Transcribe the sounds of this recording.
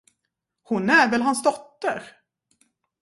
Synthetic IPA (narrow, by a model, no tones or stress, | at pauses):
hʊnæɾvɛlɦansd̪ɔt̪ːəɾ